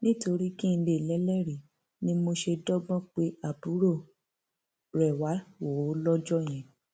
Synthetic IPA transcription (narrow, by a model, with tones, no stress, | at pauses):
nĩ˦to˧ɾi˦kĩ˦n̩˧le˦˨lɛ˨˦lɛ˦ɾi˨ | nĩ˦mo˧ʃe˧dɔ˦ɡ͡bɔ̃˦k͡pe˦a˦˨bu˨˦ɾo˦˨ | ɾɛ˨wa˨˦wo˨˦lɔ˦d͡ʒɔ˦˨j̃ɛ̃˨